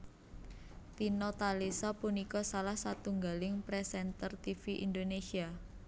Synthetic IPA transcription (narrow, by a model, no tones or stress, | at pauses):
t̪inɔt̪alisɔpunikɔsalahsat̪uŋɡalɪŋpɾɛsɛnt̪ərt̪ifiʔind̪onesia